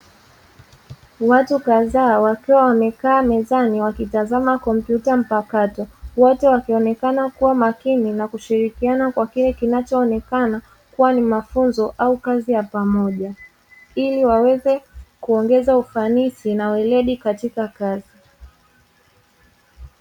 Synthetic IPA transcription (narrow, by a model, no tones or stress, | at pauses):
watukaðaːwakiwawamɛkaːmɛzaniwakitazamakɔm̩pjutam̩pakatɔwɔtɛwakiɔnɛkanakuwamakininakuʃiɾikianakwakilɛkinat͡ʃɔːnɛkana | kuwanimafunzɔʔaukazijapamɔʄa | iliwawɛzɛkuɔŋɡɛzaufanisinawɛlɛɗikatikakazi